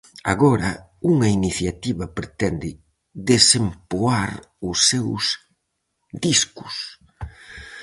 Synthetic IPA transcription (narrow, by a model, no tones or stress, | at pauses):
a̰ɣɔɾɐ | uŋɐiniθjat̪iβɐpɾet̪ɛnd̪ɪ | ðesempoaɾ | ʊsːews | d̪iskʊ̥s